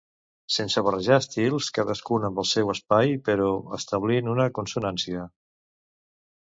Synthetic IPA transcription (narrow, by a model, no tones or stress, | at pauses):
sensəβ̞ərəʒaəst̪ilˠskaðəskunəmbəlˠsɛwəspajpəɾɔə̰st̪əβ̞linunəkunsunansiə